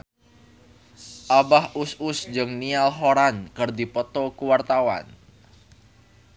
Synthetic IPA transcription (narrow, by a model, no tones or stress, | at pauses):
ʔabahʔusʊsd͡ʒɨŋnialɦoɾankərd̪ipɔt̪ɔkuwart̪awa̰n